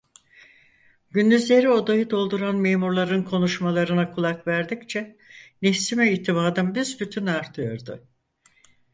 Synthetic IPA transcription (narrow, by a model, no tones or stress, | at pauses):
ɟynd̪yzlʲe̞ɾio̞d̪ajɯd̪o̞lˠd̪uɾanme̞ːmuɾlˠaɾɯnkʰo̞nuʃmalˠaɾɯnakʰulˠakvæɾd̪ict͡ʃʰɛnesimɛiːt̪ʰimaːd̪ɯmbizbyt̪ʰynaɾt̪ʰɯjo̞ɾd̪ʊ